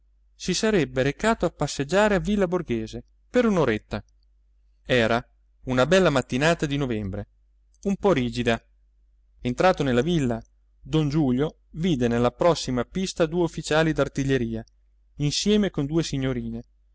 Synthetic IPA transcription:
sisaɾɛbːeɾekaːt̪oapːasːed͡ʒːaːɾeavːilːaborɡeːze | peɾunoɾet̪ːa | ɛːɾa | unabɛlːamat̪ːinaːt̪ad̪inovɛmbɾe | umpɔriːd͡ʒid̪a | ent̪ɾaːt̪onelːavilːa | d̪ond͡ʒuːljo | viːd̪enelːapɾɔsːimapist̪ad̪uːeufːit͡ʃaːlid̪art̪iʎːeɾiːa | insjɛːmekond̪uːesiɲːoɾiːne

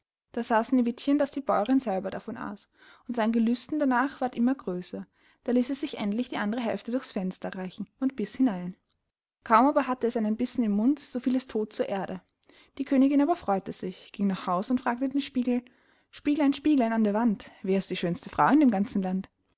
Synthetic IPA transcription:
d̥aːz̥aːsn̩ɪvɪtçənd̥asd̥iːbɔʏʁɪnzɛlbɐdafɔnʔa̰ːs | ʊntz̥aɪnənɡəlʏstn̩d̥anaːχv̥aːɐtʔɪmɐɡʁøːsɐ | d̥aːliːsɛsz̥ɪçʔɛ̰ntlɪçd̥iːʔandəʁəɦɛ̰lftədʊɐçsfɛnstɐʁaɪçn̩ʊntb̥ɪshɪnaɪn | kʰaʊmaːbɐɦatəɛsʔaɪnənbɪsn̩ɪmːʊntz̥ofiːlɛstʰoːt̚t͡suːɐʔeːɐdə | d̥iːkʰøːnɪɡɪnaːbɐfʁ̥ɔʏtəz̥ɪçɡ̥ɪŋnaχhaʊsʊntfʁ̥aːktədenʃpiːɡl̩ | ʃpiːɡl̩aɪnʃpiːɡlaɪnandeːɐvantv̥ɛːɪstd̥iːʃøːnstəfʁ̥aʊɪndeːmɡant͡sn̩lant

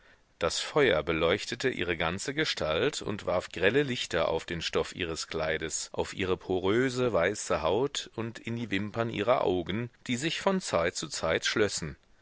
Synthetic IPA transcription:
d̥asfɔʏɐbəlɔʏçtətəʔḭːʁ̞əɡant͡səɡəʃtʰaltʰʊ̰ntv̥aɐfɡ̥ʁɛləlɪçtɐʔa̰ʊfd̥eːnʃtɔfʔḭːʁ̞əskl̥aɪdəsʔa̰ʊfʔḭːʁəpʰoʁøːzəvaɪsəhaʊtʰʊntɪndiːvɪmpɐnʔḭːʁɐʔa̰ʊɡn̩d̥iːzɪçfɔnt͡saɪt̚t͡sut͡saɪtʃlɔsn̩

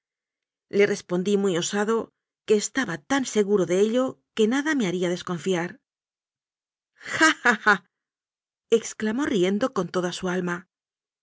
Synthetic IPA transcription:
le̞re̞spo̞nd̪imujo̞saðo̞ | ke̞ːst̪aβat̪anse̞ɣuɾo̞ðe̞eʎo̞ke̞naðame̞aɾiaðe̞sko̞ɱfiaɾ | xaaxa | e̞ksklamo̞rie̞nd̪o̞ko̞nt̪o̞ðasualma

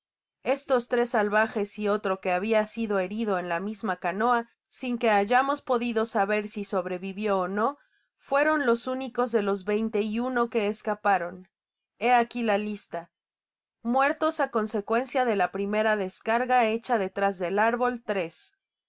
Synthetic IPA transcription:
e̞st̪o̞st̪ɾe̞sːalβaxe̞sio̞t̪ɾo̞ke̞aβ̞iasiðo̞e̞ɾiðoe̞nlamizmakano̞a | siŋke̞aʝamo̞spo̞ðiðo̞saβe̞ɾsiso̞βɾe̞βiβjo̞ːno̞ | fwe̞ɾo̞nlo̞suniko̞zðe̞lo̞zβe̞jnt̪e̞iuno̞ke̞ːskapaɾo̞n | e̞akilalist̪a | mwe̞ɾt̪o̞sako̞nse̞kwe̞nsjaðe̞lapɾime̞ɾaðe̞skaɾɣae̞t͡ʃaðe̞t̪ɾazðe̞laɾβo̞lt̪ɾe̞s

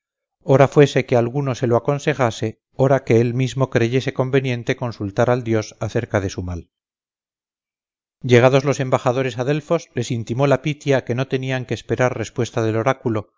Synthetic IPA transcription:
o̞ɾafwe̞se̞kealɣuno̞se̞loako̞nse̞xase̞ | o̞ɾake̞elmizmo̞kɾe̞ʝe̞se̞ko̞mbe̞njẽ̞nt̪e̞ko̞nsult̪aɾald̪jo̞saθe̞ɾkað̞e̞sumal | ɟ͡ʝe̞ɣ̞að̞o̞zlo̞se̞mbaxað̞o̞ɾe̞saðe̞lfo̞zle̞sint̪imo̞lapit̪jake̞no̞t̪e̞niaŋkeːspe̞ɾaɾre̞spwe̞st̪aðe̞lo̞ɾakulo̞

